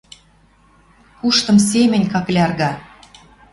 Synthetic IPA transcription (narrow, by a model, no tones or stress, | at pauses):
kuʃt̪ɤ̆ms̬emʲɘ̆nʲkɑklʲɑrɣɑ